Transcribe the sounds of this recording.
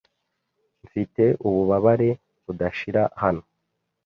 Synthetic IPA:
ɱfite̞ʔuβuβaβaɾe̞ | βudaʃiɾahano̞

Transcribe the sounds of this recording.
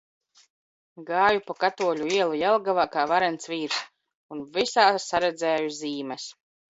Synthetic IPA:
ɡaːjupakat̪uɔlʲuiɛlˠujɛlˠɡavaːkaːvaɾɛnt̪sviːɾs | unvisaːsaɾɛd̪zɛːjuziːmɛs

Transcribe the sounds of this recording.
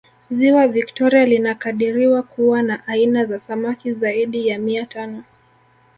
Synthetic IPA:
ziwaviktɔɾialinakaɗiɾiwakuwanaʔainazasamakizaiɗijamiatanɔ

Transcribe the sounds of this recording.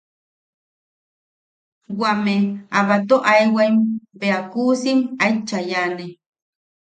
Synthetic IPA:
wameaβat̪oʔajwajmbeakuːsimajt͡ʃajane

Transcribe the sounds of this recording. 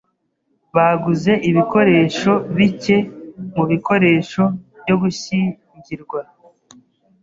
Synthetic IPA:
βaɡuze̞ʔiβiko̞ɾe̞ːʃo̞βice̞muβiko̞ɾe̞ːʃo̞βjo̞ɡuɕi | ɲɟiɾɡwa

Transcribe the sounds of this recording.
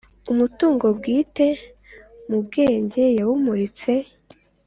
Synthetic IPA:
umutuːŋɡo̞bɡiːte̞ | mubɡe̞ːɲɟe̞jawumuɾit͡se̞

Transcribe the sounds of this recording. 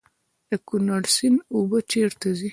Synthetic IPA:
d̪̥əkʊnaɽsinubət͡ʃeɾt̪azi

